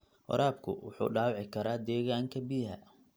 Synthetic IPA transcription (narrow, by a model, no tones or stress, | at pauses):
ʔɔ̰ɾaːb̚kʰʊ̰wʊ̰ħṵːɖaːwʕɪkʰɐɾaːd̪ɛːɣaːŋkʰɐbijhɐ̰